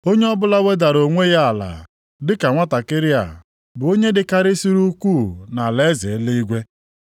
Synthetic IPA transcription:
o˦ɲe˦ɔ˦bʊ˦la˦we˦da˨ɾo˨ŋʷe˦ja˦a˨la̰˨ | dɪ˦ka˨ŋʷa˦ta˨kɪ˦ɾɪ˦a̰˨ | bʊ˨o˦ɲe˦dɪ˨ka˦ɾɪ˦si˦ɾu˦kʷu˦˨na˨le˦ze˨˦le˦i˦ɡʷe˦

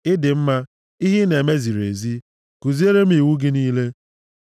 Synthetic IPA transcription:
ɪ˦dɪ˨m̩˦ma˦ | i˦ɦi˦ne˨me˦zi˨ɾḛ˨zi˦ | ku˨zi˦e˦ɾe˦m̩˦i˨wu˦ɡɪ˦niː˦le˦

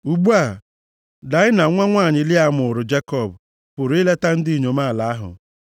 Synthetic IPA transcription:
u˨ɡ͡bu˦a˨ | da˨˦ɪ˦na˨˦ŋʷa˦ŋʷaː˦˨ɲɪ˨lɪ˦a˨mʊ˨ʊ˨ɾʊ˨d͡ʒe˦kɔ˦˨bʊ˨ | pʊ˨ɾɪ˦le˦ta˦n̩˦di˦˨ɲo˨ma˦˨la˨a˦ɦʊ̰˨

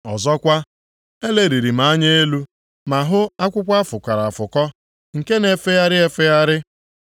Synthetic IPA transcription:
ɔ̰˨zɔ˦kʷa˦ | e˦le˨ɾi˨ɾi˨m̩a˨˦a˦ɲe˦e˦lu˦ | ma˨ɦʊ˦a˦kʷʊ˦kʷa˦fʊ˨kʷa˨ɾa˨a˨fʊ˨kɔ˦ | ŋ̩˨ke˦ne˨fe˦ja˦ɾɪ˦e˦fe˦ja˦ɾɪ˦

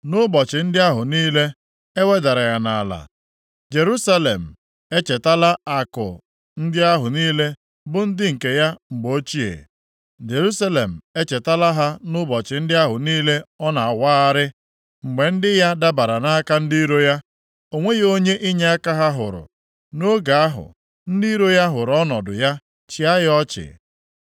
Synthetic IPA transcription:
nʊ˦bɔ˨t͡ʃɪ˨n̩˦dɪ˦a˦ɦʊ˨niː˦le˦ | e˦we˦da˨ɾa˨ɣa˨na̰˨la̰˨ | d͡ʒe˨ɾu˦sa˦le˨m̩˨ | e˦t͡ʃe˨ta˦la˦a˨kʊ̰˨ | n̩˦dɪ˦a˦ɦʊ˨niː˦le˦ | bʊ˦n̩˦dɪ˦ŋ̩˨ke˨ja˦ŋ͡m̩˨ɡ͡bo˦t͡ʃi˦ḛ˨ | d͡ʒe˨ɾu˦sa˦le˨m̩˨e˦t͡ʃe˨ta˦la˦ɦa˦nʊ˦bɔ˨t͡ʃɪ˨˦n̩˦dɪ˦a˦ɦʊ˨niː˦le˦ɔ˦na˨a˨waː˦a˦ɾɪ˦ | ŋ͡m̩˨ɡ͡be˨n̩˦dɪ˦ja˦da˦ba˨ɾa˨na˦ka˦n̩˦di˦ɾo˦ja˦ | o˨ŋʷe˦jo˦ɲe˦ʔi˦ɲe˦a˦ka˦ɦa˦ɦʊ̰˨ɾʊ̰˨ | no˦ɡa˨a˦ɦʊ̰˨ | n̩˦di˦i˦ɾo˦ja˦ɦʊ˨ɾɔ˦nɔ˨dʊ̰˨ja˦ | t͡ʃi˨a˦jɪ˦ɔ˦t͡ʃɪ̰˨

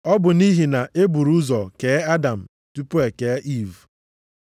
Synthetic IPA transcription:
ɔ˦bʊ˨ni˦ɦi˨na˨ʔe˦bu˨ɾu˦zɔ˨ke˨˦a˦da˨m̩˨ | tu˦po˦e˨ke˨˦ʔi˦˨v

